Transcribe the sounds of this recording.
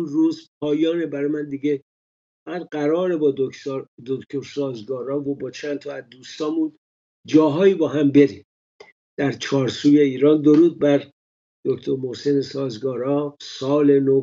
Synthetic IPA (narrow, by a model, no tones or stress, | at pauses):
unruːzpʰɒːjɒːnebæɾɒjmænd̪iɡe | fæʁæd̪ɢæɾɒːɾebɒːod̪okʰt̪ʰoɾsɒːzɡɒːɾɒːvobɒːt͡ʃʰænt̪ʰɒæzd̪uːst̪ɒːmun | d͡ʒɒːɦɒːiːbɒːɦæmbe̞ɾi | d̪̥æɾt͡ʃʰɒːɾsuːje̞iːɾɒːnd̪oɾuːd̪̚bæɾ | d̪̥okt̪ʰoɾmohsenesɒːzɡɒːɾɒːsɒːleno